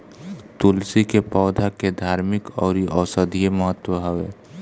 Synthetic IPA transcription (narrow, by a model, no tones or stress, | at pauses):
t̪ʊlsikepɔːd̪ʱaked̪ʱaːɾmɪkɔːɾiʔɔːsəd̪ʱieməɦət̪ːwəɦəʋḛː